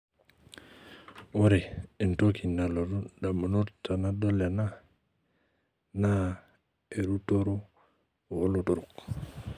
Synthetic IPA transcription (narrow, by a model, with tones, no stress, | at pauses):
wo˦ɾe˨e˨nto˦kʰi˨na˨lo˨ɾu˦da˨mu˨nu˦ɾta˨na˦do˦le˨na˦ | na˦ | e˨ɾu˦to˦ɾu˦˨ | wo˦lo˨to˦ɾu˨k